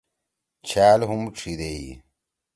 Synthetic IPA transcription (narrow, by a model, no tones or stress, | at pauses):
t͡ɕʰaːlɦumʈ͡ʂʰid̪ei